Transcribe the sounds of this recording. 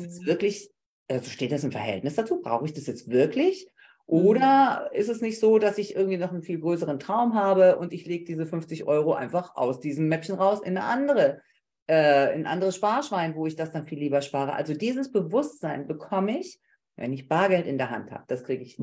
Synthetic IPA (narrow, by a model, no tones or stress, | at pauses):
sjɛsv̥ɪɐklɪç | ʔazoʃteːt̚d̥asɪmfɛɐhɦɛ̰ltnɪsd̥at͡suːbʁa̰ʊxəɪçd̥asjɛt͡stv̥ɪɐklɪç | ʔoːɾɐɪstɛsnɪçtz̥oːdasɪçʔɪ̰ɐɡŋ̩tv̥iːnɔχn̩nfiːlɡʁøːsəʁ̞əntʁ̥aʊmɦaːbəʔʊntɪçleːɡədiːzəfʏnft͡sɪçʔɔʏʁoʔa̰ɪnfaχʔa̰ʊsd̥iːzm̩mɛpçn̩ʁaʊsʔɪ̰nːə̰ʔandəʁə | ʔɛːɪnʔa̰ndəʁəsʃpaːɐʃv̥aɪnvoːɪçd̥asd̥anfiːlːiːbɐʃpaːʁ̞ə̰ʔa̰lzodiːzəsb̥əvʊstz̥aɪnbəkʰɔməɪç | vɛ̰nɪçb̥aːɐɡɛltɪndeːɐɦa̰ntha̰ːbəd̥askʁ̥iːɡəɪç